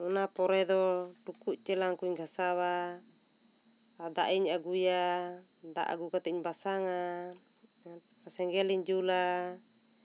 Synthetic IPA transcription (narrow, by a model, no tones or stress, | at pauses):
unapɔɾɛd̪ɔdukuʔt͡ʃɛlaŋkuiɲɡasawa | ad̪a̰ʔiɲaɡuja | d̪a̰ʔa̰ɡukat̪ɛiɲbasaŋa | asɛŋɡɛliɲd͡ʒula